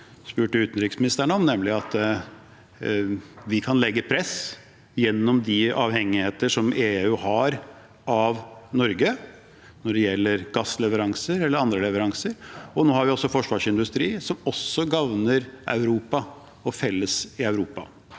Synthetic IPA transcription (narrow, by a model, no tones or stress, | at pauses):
spʉːʈəʉːt̪nɾɪksmɪnɪst̪æɳəɔmnɛmːlɪɑt̪ | ʋɪkʰɑnlɛɡːəpʰɾɛs | jɛnːɔmd̪ɪɑːʋhɛŋːɪheːt̪əʂɔmeːʉhɑɾ | ɑʋnɔɾɡə | nɔɖɛjɛlːəɾɡ̥ɑsːlɛʋəɾɑŋsəɾɛlːəɾɑnd̪ɾəlɛʋəɾɑŋsəɾɔnoːhɑɾʋɪɔsːɔfɔʂʋɑːʂɪnd̪ʉst̪ɾiːsɔmɔsːɔɡɑʋnəɾʔɑ̰ʉɾuːpɑ | ɔfɛlːəsɪɑʉɾuːpɑ̰